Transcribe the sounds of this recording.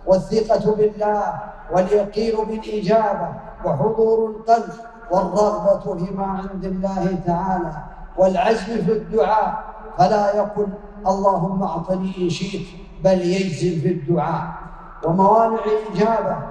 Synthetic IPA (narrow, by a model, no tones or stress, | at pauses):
waθːɪqɑbɪlːaː | waljɑqiːnʊbɪlʔɪd͡ʒaːba | waħʊd̪ˤuːɾalqɑlf | wɑrˤːɑɣbat̪bɪmaːʕɪnd̪ɪlːaːhɪt̪aʕaːlaː | walʕazlfid̪ːʊʕaːʔ | falaːjaqʊl | ʔɑlˤːɑːɦʊmːaʔt̪ˤɑniʔɪnʃiːt̪ | baljad͡ʒzɪbfid̪ːʊʕaːʔ | wamawaːnɪʕɪlʔɪd͡ʒaːba